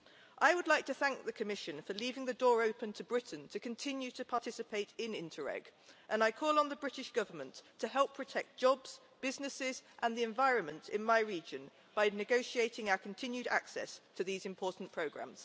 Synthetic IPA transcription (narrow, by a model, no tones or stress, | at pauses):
ʔaɪwədˡlaɪk̚tʰəθæ̃ŋk̚ðəkʰəmɪʃə̃nfəliːvɪ̃ŋðədɔːɹəʊpə̃ntʰəbɹɪʔn̩tʰəkʰə̃ntʰɪ̃njʉtʰəpʰɑˑtʰɪsɪpʰeɪtɪ̃nɪ̰̃ntʰəɹɛ̰ɡ̥ʔə̃naɪkʰɔːlˠə̃nðəbɹɪtɪʃɡ̥ʌvəmə̃nttʰəhɦɛlˠpʰɹ̥ətʰɛk̚d̥ʒ̥ɒbz̥ | b̥ɪznɪsɪzʔə̃nðiɛ̃ɱvaɪɹə̃nmə̃ntɪ̃nmaɪɹiːd͡ʒə̃n | b̥aɪnɪɡəʊʃieɪtɪ̃ŋaʊəkʰə̃ntʰɪ̃njʉɾa̰ksɛ̰stʰəðiːzɪ̃mpʰɔˑʔn̩pʰɹ̥əʊɡɹã̰mz̥